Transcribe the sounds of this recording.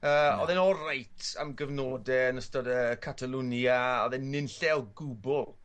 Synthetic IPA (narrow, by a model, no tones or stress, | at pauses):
əːɔ̰ðɛnɔɾajtʰa̰mɡəvnoːdɛənəstɔdəkʰatʰalˠunjaɔðɛnːɪnɬɛlˠɡʊbʊlˠ